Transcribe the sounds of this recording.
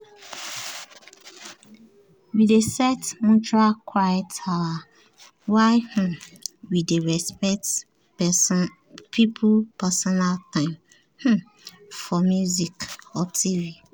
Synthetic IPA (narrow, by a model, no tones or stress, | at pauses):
widesɛtmũt͡ʃualkʰwajɛtaa | waɪh̩wideɹɛspɛkt | ɛ | pʰipʰupɛsɔnaltãɪ̃m | h̩ | fɔmjuzikɔtʰivi